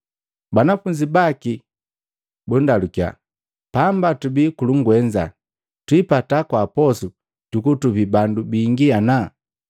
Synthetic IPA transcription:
banafuɲd͡ʒibaki | bundalukja̰ | pambatubikuluŋɡwɛɲd͡ʒa̰ | twipatakwapɔsu | tukutubibandubiŋɡiana

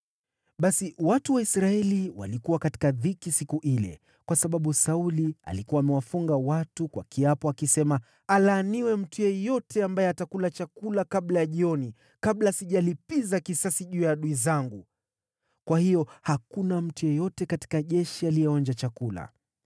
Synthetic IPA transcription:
ɓasiwatuwaisɾaɛliwa̰likuwakati̥kaðikisikuʔilɛ̰ | kwasaɓaɓusaulia̰likuwaːmɛwafuŋɡawatukwa̰kiapɔakisɛma | alaːniwɛm̩tujɛjɔtɛambajɛatakulat͡ʃakulakaɓlajaʄiɔni | kaɓlasiʄalipizakisasiʄuːjaɗuizaŋɡu | kwahijɔhakunam̩tujɔjɔtɛkati̥kaʄɛʃialijɛɔnd͡ʒat͡ʃakula̰

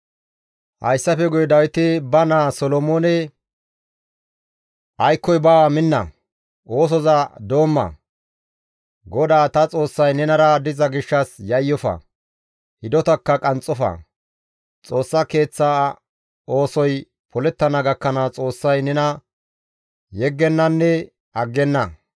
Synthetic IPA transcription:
hɐ̰jsːɐfɛɡʊjd̪ɐwɪt̪ɪbɐnaːsɔlɔmoːnɛ | ʔɐjkːɔjbaːmɪnːɐ̰ | ʔo̞ːs̬ɔzɐd̪o̞ːmːɐ̰ | ɡɔd̪aːt̪ɐt͡sʼo̞ːsːɐjnɛnɐɾɐd̪ɪzɐɡɪʃːɐsjɐjːɔfɐ̰ | hɪd̪ɔt̪ɐkːɐkʼɐnt͡sʼɔfɐ̰ | t͡sʼo̞ːsːɐke̞ːt͡sːa | o̞ːsɔj | pʰɔlɛt̪ːɐnɐɡɐkːɐnɐt͡sʼo̞ːsːɐjnɛnɐ | jɛɡːɛnːɐnːɛ | ɐɡːɛnːɐ

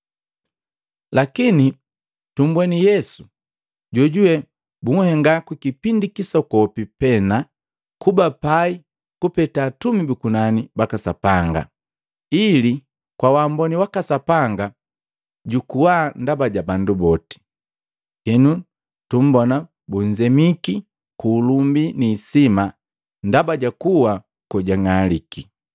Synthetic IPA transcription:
lakini | tum̩bwɛnijɛsu̥ | ɟɔɟuɛ | buŋ̩hɛŋɡakukipindikisɔkɔpipɛna | kubapai | kupɛtaːtumibikunanibakasapaŋɡa̰ | ili | kwawambɔniwakasapaŋɡa | ɟukuwaːndabaɟabandubɔti̥ | hɛnu | tum̩bɔna | buɲd͡ʒɛmiki | kuːlumbiniːsima | ndabaɟakuwa | kɔɟaŋaliki

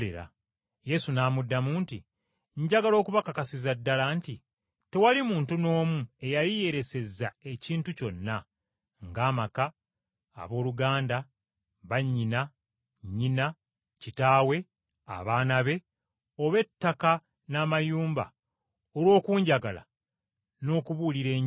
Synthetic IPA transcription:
ḛɾa̰ | je̞sunaːmudːamuːnti | ɲɟaɡalo̞ːkuβakakasizadːalanti | te̞walimuːntuno̞ːmue̞jalije̞ɾe̞se̞zːae̞ciːntuco̞nːa | ŋɡaːmaka̰ː | βo̞ːluɡaːnda | βaɲːina | ɲːina | citaːwe̞ | a̰βaːnaβe̞ | o̞βe̞tːaka | naːmajuːmba̰ | olwo̞ːkuːɲɟaɡala̰ | no̞ːkuβuliɾe̞ː

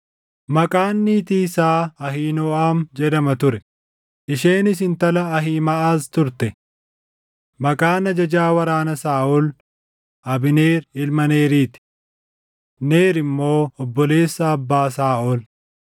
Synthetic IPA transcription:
mɐkʼaːnːiːt̪isaːɐɦiːnɔːaːmd͡ʒɛd̪ɐmɐt̪ʊɾɛ | ʔɪʃe̞ːnɪs̬ɪnt̪ɐlɐːɦiːmɐʔaːst̪ʊɾt̪ɛ | mɐkʼaːnɐd͡ʒɐd͡ʒaːwɐɾaːnɐsaːʔɔl | ʔɐbɪne̞ːɾɪlmɐneːɾiːt̪ɪ̥ | neːɾɪmːo̞ːɔbːɔle̞ːsːɐːbːaːsaːʔɔl

